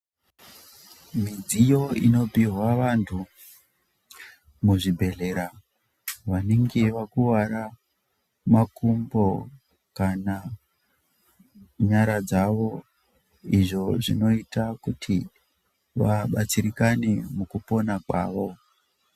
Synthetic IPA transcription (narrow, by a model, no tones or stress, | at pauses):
mid͡zijo̞ino̞piɦwaʋantʰu | muʐibʱe̞le̞ɾa | ʋaneŋɡeʋakuwaɾa | makumbo̞ | kana | ɲaɾad͡zaʋo̞ | iʐo̞ʐino̞itakutʰi | ʋaɓat͡siɾikanemukupo̞nakwa̰ːʋo̞